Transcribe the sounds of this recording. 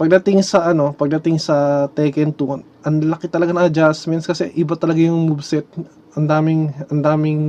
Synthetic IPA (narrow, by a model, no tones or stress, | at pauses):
pɐɡ̚d̪ɐt̪ɪŋsɐʔɐno̞pɐɡ̚d̪ɐt̪ɪŋsɐt̪ɛːkɛnt̪unʔɐnlɐkɪt̪ɐlɐɡanɐɐd͡ʒasmɛnskɐsɛʔɪbat̪ɐlɐɡajʊŋmʊbsɛt̪̚ | ʔɐnd̪aːmɪŋɐnd̪aːmɪŋ